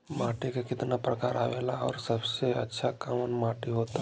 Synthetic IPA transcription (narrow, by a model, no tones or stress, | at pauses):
maːʈekekɪt̪napɾəkaːɾa̰ːʋelaɔ̰ːɾsəbseə̰tːʃʰakamənmãːʈiɦot̪a